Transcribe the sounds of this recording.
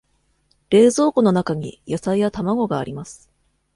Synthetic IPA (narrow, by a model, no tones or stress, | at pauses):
ɾe̞ːzo̞ːko̞no̞nakaɲ̟ḭjasaijat̪amaɡo̞ɡa̰ːɾʲimasɨ̥